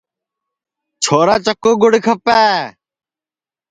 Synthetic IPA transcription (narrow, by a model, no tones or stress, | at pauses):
t͡ʃʰoːɾaːt͡ʃəkoːɡʊɽkʰəpaː